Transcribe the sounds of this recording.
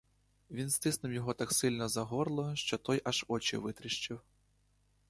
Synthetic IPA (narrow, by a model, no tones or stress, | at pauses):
ʋʲinst̪ɪsnɪwjɔɦɔt̪aksɪlʲnɔzɐɦɔrlˠɔʃt͡ʃɔt̪ɔjʔɐʒɔt͡ʃɪ̰ʋɪt̪ɾɪʃt͡ʃɪw